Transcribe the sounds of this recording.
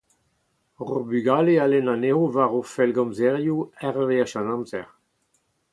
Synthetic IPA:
ʁobyɡalealɛnaneovaʁofɛlɡɔ̃mzɛʁjuɛʁveaʃãnãmzɛʁ

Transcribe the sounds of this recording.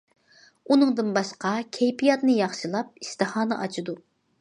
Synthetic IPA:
unɨŋd̪ɨnbɑʃqɑkʲʰɛjpʰijɑt̪nɨjɑχʃɨlˠɑp̚ist̪ɨhɑːnɨʔɑt͡ʃʰɨd̪u

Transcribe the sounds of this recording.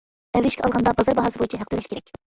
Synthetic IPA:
ɛwːɪʃkʲʰɛʔɑlˠʁɑnd̪ɑbɑzɑɾbɑɦɑsɨbojit͡ʃʰɛɦæq̚t̪ylɛʃkʲeɾɛkʲ

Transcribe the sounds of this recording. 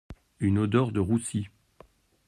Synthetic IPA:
ynod̪ɔʁd̪əʁusi

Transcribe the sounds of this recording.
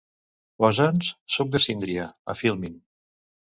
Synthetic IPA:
wazanssok̚d̪əsind̪ɾiaə̰filˠmin

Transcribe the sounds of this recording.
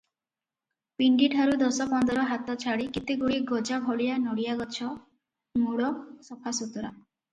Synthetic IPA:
piɳɖiʈʰaɾud̪ɔsɔpɔnd̪ɔɾɔɦat̪ɔt͡ʃʰaɽikit̪eɡuɽiɡɔd͡ʒabʱɔlijanɔɽijaɡɔt͡ʃʰɔ | muɽɔsɔpʰasut̪ɔɾa̰

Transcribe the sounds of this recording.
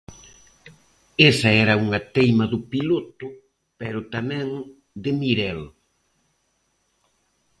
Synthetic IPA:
esɐɛɾɐuŋɐt̪ejmɐðʊpilot̪ʊ | pɛɾʊt̪amɛ̃ŋ | d̪ɪmiɾɛl

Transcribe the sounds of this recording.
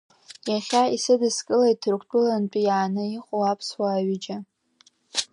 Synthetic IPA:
jaχʲaisɨdɨskʼɨlaitʰrkʷʰtʷʼʊlant͡pʼijaːnɨiχʼowapʰswaːɥid͡ʒa

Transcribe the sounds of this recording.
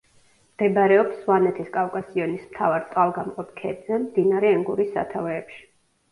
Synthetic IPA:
md̪̥ɛbɾɛɔpsvanɛt̪ʰiskʼavkʼasiɔnismt̪ʰavaɾt̪sʼqʼalˠɡamqʼɔp̚ʰkʰɛːb̪zɛmd̪inaɾɛɛŋɡuɾisːa̰t̪ʰavɛːpʃi̥

